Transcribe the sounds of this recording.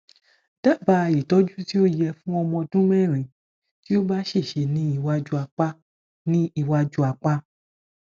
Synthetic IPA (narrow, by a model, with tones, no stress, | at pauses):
d̥a˦˨ba˨˧i˨tɔ˨˦d͡ʒu˦ti˦o˦˨jɛ˧fũ˦ɔ˧mɔ̃˧dũ˦mɛ˦˨ɾ̃ĩ˨ | ti˦o˦ba˦ʃe˦˨ʃe˧nĩ˨˦i˦˧wa˧d͡ʒu˦a˧k͡pa˦ | nĩ˦i˧wa˧d͡ʒu˦a˧k͡pa˦